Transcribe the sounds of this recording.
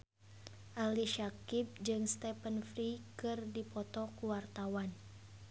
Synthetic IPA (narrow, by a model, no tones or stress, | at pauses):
ʔaliʃakib̚d͡ʒɨŋst̪ɛpənfɾikɨrdipɔt̪ɔkuwart̪awan